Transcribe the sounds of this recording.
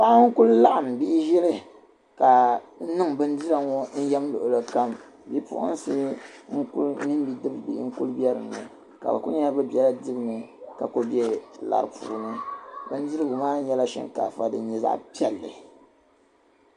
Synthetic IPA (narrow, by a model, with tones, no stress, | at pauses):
pa˦ʔŋ̩˦ku˦lla˦ʔa˨m˨bi˦ʔɪ˦ʒɪ˦ɾɨ˦ | ka˨˦nɨ˦ŋbɨ˦n˦dɨ˦ɾa˨ŋo˦n̩˦jɛ˦mlʊ˨ʔʊ˨lɨ˦ka˦m | bi˦pʊ̰˦ʔʊ̰˦n˦sɨ˦ŋ̩˦ku˦lmi˦n˦bi˦dɨ˦bbi˦ŋ̩˦ku˦lbɛ˦ɾɨ˨m˨nɨ̰˨ | ka̰˨bɨ̰˨kʊ˦ɲɛ˦lbɨ˦bɛ˨la˦dɨ˦bɨ˦nɨ˨ka̰˨ko˦bjɛ˦la̰˨ɾɨ˨pṵː˨nɨ˦bɨ˦n˦di˦ɾɨ˦bʊ˨maː˦n˦ɲɛ˦la˦ʃɛ̰˦ŋka̰˨fa˨dɨ˨ɲɛ˨za̰˦ʔpi˦ɛ˨lːɨ̰˨